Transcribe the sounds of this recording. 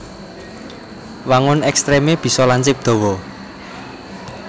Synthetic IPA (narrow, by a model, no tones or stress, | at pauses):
waŋʊnɛkst̪ɾemeb̥i̤sɔlaɲt͡ʃɪp̚d̪̥ɔ̤wɔ